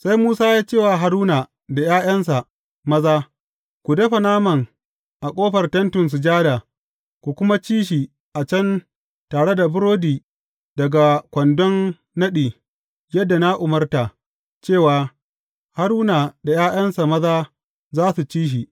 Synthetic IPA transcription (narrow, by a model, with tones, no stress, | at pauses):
sa˦jmuː˦saː˦jaː˦t͡ʃeː˦˨waː˨ɦa˨ɾuː˦naː˨ | da˨jaː˦j̰ɐ˦ns̬a˨ | mɐ˦zaː˦ | kʷu˨dɐ˦ɸɐ˨naː˦mɐ˨ŋ | ʔa˨kʷʼoː˦ɸɐ˨rtɐ˦ntʊ˨ns̬u˨d͡ʒaː˦daː˨ | kʷu˨kʷʊ˦ma˦t͡ʃiː˦ʃiː˨ | ʔa˨t͡ʃɐ˦n | taː˨ɽe˦da˨bʊ˦ɾoː˦diː˨ | dɐ˨ɡa˨kʷɐ˨ndɔ˦nː | ɐ˦ɗiː˨ | jɐ˦dːa˨na˦ʔʊ˨mɐ˦rta˨ʔ | t͡ʃeː˦˨waː˨ | ha˦ɽuː˦na˨da˨jaː˦j̰ɐ˦nsa˨mɐ˦zaː˦ | zaː˦su˨t͡ʃiː˦ʃ̬i˨